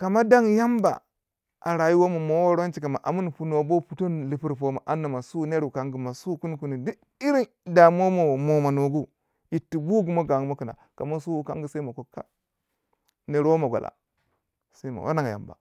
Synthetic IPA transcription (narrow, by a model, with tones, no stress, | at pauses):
ka˨ma˦da˦ŋja˦mba̰˨ | ʔa̰˨ɾa˨ji˦wo˦mo˨mo˦wo˦ɾo˦nt͡ʃi˨ka˨ma˨ʔa̰˨mu˦n˨pu˨n˨bo˦pu˨to˦nli˨pi˦ɾpo˦ma̰˨ʔa˦nːa˨ma˨su˦ne˦ɾu˨ka˦ŋɡu˨ma˨su˦ku˦n˦ku˨ni˨du˦ | i˦ɾi˦n | da˨mo˦mo˨mo˨ma˨no˨ɡu˦ | ji˨tːi˨bu˦ɡu˨mo˦ɡa˨ŋ˦mo˦kə˨na̰˨ka˨ma˦su˦u˨˦ka̰˦ŋɡi˨sa˦i˦mo˨ko˨kːa̰˦ | ne˨ɾwo˦ma˨ɡʷa̰˨lʔa̰˨ | sa˦i˦ma̰˨wʔa̰˦na˦ŋa˨ja̰˨mba̰˨